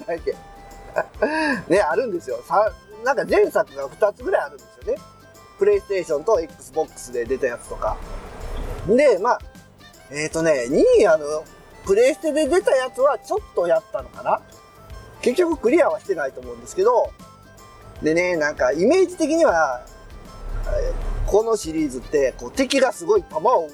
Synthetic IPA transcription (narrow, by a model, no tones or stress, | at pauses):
aie | ne̞aɾɯ̟̃nd̪e̞sɨjo̞sãnãŋkazẽ̞ɰ̃sakɯ̟ɡaɸɯ̟t̪at͡sɨɡɯ̟ɾaiaɾɯ̟̃nd̪esɨjo̞ne | pɯ̟ɾe̞st̪e̞ːɕõ̞nt̪o̞ikːɯ̥sɨbo̞kːɯ̥sɨd̪e̞d̪e̞t̪ajat͡sɨ̥t̪o̞ka | d̪e̞maː | eːt̪ːo̞ne̞ɲ̟iano̞ | pɯ̟ɾe̞st̪ed̪e̞d̪e̞t̪ajat͡sɨβat͡ɕo̞t̪ːo̞jat̪ːano̞kana | ke̞kʲːokɯ̟kɯ̟ɾʲiaβ̞aɕi̥t̪e̞nait̪o̞ːmo̞ɯ̟̃nd̪e̞sɨ̥ke̞d̪o̞ | d̪e̞ne̞nãŋkaime̞ːʑit̪e̞kʲiɲ̟iβa | kʰo̞no̞ɕiɾʲiːzɨt̪ːe̞ko̞ːt̪e̞kʲiɡasɨɡo̞it̪amaɯ